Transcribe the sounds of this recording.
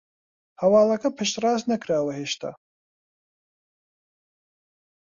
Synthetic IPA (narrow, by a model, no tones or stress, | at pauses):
hɐwɑːlɐkɐpʰɨʃt̪rɑːznɐkʰɾaːwɐheːʃt̪ʰa̰